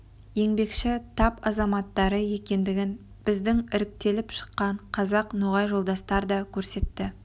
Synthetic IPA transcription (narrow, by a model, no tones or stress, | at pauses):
je̞ŋbe̞kʃɪt̪ʰɑpɑzɑmɑt̪ːɑɾəje̞kʲe̞nd̪ɪɡʲɪn | b̥ɪzd̪ɪŋɪɾɪk̚t̪e̞lɪpʃə̥qːɑɴqʰɑzɑqnoʁɑjʒo̞lˠd̪ɑst̪ɑɾd̪ɑkʲʰɵɾse̞t̪ːɪ